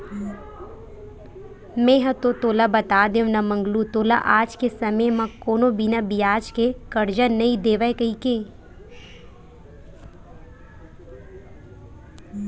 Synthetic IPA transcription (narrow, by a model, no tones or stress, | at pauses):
mẽːɦət̪ot̪oːlabɐt̪aːd̪eʋnamɐ̃ŋɡlut̪oːla̰ʔaːd͡ʒkesɐməjmãkoːnobinabijaːd͡ʒkekɐɾd͡ʒənɐĩd̪eːʋəekɐikẽ